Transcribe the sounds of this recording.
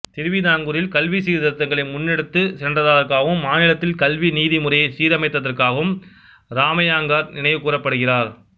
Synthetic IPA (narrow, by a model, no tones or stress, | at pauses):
t̪ɪɾʋinaːŋɡɯɾɪlkɐlʋisiːɾðɐɾt̪ːɐŋɡɐɭɐɪmʊnːɛɽɯt̪ːɯsɛndrɐðaːðɐɾkaːɣɯmːaːnɪlɐt̪ːɪlkɐlʋiniːðimʊrɐjɐɪsiːɾɐmɐɪt̪ːɐðɐrkaːɣɐʋɯm | ɾaːmɐjaːŋɡaːɾnɪnɐɪʋɯkuːrɐpːɐɽɯɣɪraːɾ